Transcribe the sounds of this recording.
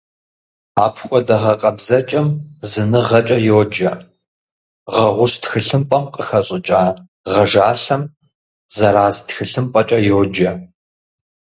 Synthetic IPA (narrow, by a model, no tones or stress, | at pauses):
aːpʰxʷɔdɐʁɐqʼɐbzɐt͡ʃʼɐmzɨnɨʁɐt͡ʃʼɐjoːd͡ʒɐ | ʁɐʁʷʊstxɨɬɨmpʼɐmqʼəxɐɕʼɪt͡ʃʼaː | ʁɐʒaːɬɐm | zɐɾaːztxɨɬɨmpʼɐt͡ʃʼɐjoːd͡ʒɐ